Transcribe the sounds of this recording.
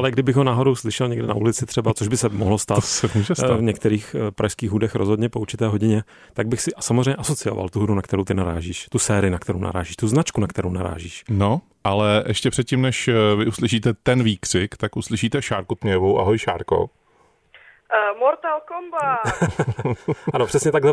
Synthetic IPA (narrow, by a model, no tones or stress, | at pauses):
ʔalɛɡdɪbɪɣɦonaːɦo̞dowslɪʃɛlɲɛɡdɪna̰ʔulɪt͡sɪt̪r̥ɛbat͡soʒbɪsɛmoɦlost̪aːt̪sɛmuʒɛsavɲɛkt̪ɛɾiːxpɾaʃskiːɣɦudɛxɾozɦodɲɛpouɾt͡ʃɪt̪ɛːɦoɟɪɲɛ | t̪aɡ̚bɪxsɪʔsamozrɛjɲɛʔaso̞t͡sɪjo̞va̰lt̪uɦudunakt̪ɛɾowt̪ɪnaɾa̰ːʒiːʃt̪usɛːɾɪɪnakt̪ɛɾo̰wna̰ɾa̰ːʒiːʃt̪uznat͡ʃkunakt̪ɛɾownaɾa̰ːʒiːʃno | ʔalɛʔɛʃcɛpr̥ɛt̪̚cimnɛʃvɪʔuslɪʃiːt̪ɛt̪ɛnviːkr̝̥ɪkt̪akʔuslɪʃiːt̪ɛʃaːɾkut̪ɲɛjɛvowʔaɦojʃa̰ːɾko̰ | moɾt̪alkomba | ʔanopr̥ɛsɲɛt̪aɡlɛ